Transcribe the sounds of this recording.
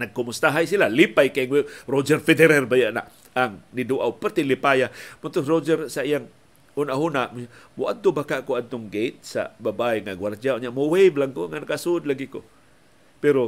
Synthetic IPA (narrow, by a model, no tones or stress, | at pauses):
naɡ̚kʊmʊst̪aɦajs̬ilalipajkaiŋweɾod͡ʒɛrfedeɾɛrbajaʔna̰ʔ | aŋniduʔawpart̪ilipajamʊt̪ʊɾod͡ʒɛɾsaijaŋ | hunaʔɦunaʔmmʔad̪̚t̪ʊbakaʔkoad̪̚t̪ʊŋɡejt̪̚sa̰babajŋaɡward͡ʒaoɲaʔmoweblaŋkoŋanakasud̪laɡikʊ̰ | peɾo